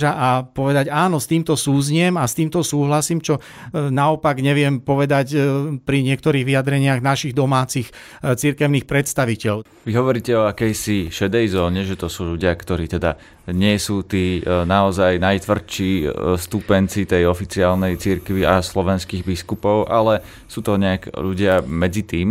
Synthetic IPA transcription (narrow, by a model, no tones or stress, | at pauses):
ʒaʔapɔʋɛd̪aɟaːnɔst̪iːmt̪ɔsuːzɲɪɛmast̪iːmt̪ɔsuːɦlasiːmt͡ʃɔ | naɔpaɡɲɛʋɪɛmpɔʋɛd̪acpɾiɲɪɛk̚t̪ɔɾiːɣʋiad̪ɾɛɲɪaɣnaʃiɣd̪ɔmaːt͡six | t͡siɾkɛʊniːxpɾɛt̪st̪aʋicɛʎ | ʋiɦɔʋɔɾiːcɛɔakɛjsiʃɛd̪ɛjzɔːɲɛʒɛt̪ɔsuːʎuɟɪakt̪ɔɾiːt̪ɛd̪a | ɲɪɛsuːt̪iːnaɔzajnajt̪ʋr̩t͡ʃist̪upɛnt͡sit̪ɛjɔfit͡siaːlnɛjt͡siɾkʋiaslɔʋɛnskiɣbiskupɔʊʔalɛ | suːt̪ɔɲɛakʎuɟɪamɛd͡zit̪iːm